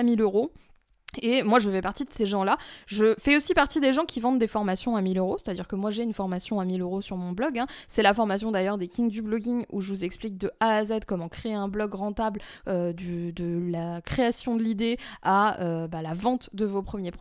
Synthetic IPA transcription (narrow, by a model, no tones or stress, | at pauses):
amiløʁo | emwaʒəfɛpaʁt̪id̪əseʒɑ̃laʒəfɛosipaʁt̪id̪eʒɑ̃kʲivɑ̃t̪̚d̪efɔʁmasjɔ̃amiløʁose̥t̪ad̪iʁkəmwaʒeynfɔʁmasjɔ̃amiløʁosyʁmɔ̃blɔɡɛ̃sɛlafɔʁmasjɔ̃d̪ajœʁd̪ekʰʲĩŋd̪yblɔɡʲiŋṵʒəvuzɛksplik̚d̪əʔaːzɛd̪kɔmɑ̃kχeɛ̃blɔɡʁɑ̃t̪ablød̪yd̪əlakχeasjɔ̃d̪əlid̪eaøbalavɑ̃t̪d̪əvopχəmjep